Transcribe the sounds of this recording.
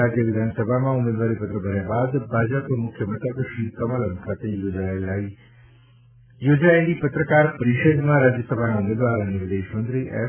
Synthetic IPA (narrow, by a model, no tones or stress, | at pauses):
aːd͡ʑjəʋɪd̪ʱaːnsəbʱamãʊmeːd̪ʋaːɾipɐt̪ɾəbʱaɾijãbaːd̪bʱaːd͡ʑətomʊkʰjəmɐt̪ək̪ʃiːkɐmələnkʰãt̪ẽjoːd͡ʑaːɪlːaːi | joːd͡ʑaːĩd͡ʑipɐt̪ɾəkaːɾpɐɾiːʃəd̪mãɾaːd͡ʑjəsɐbʱanãʊmeːd̪ʋaːɾnĩʋɪd̪eːʃɐ̃nd̪ɾiʔɛ̰ː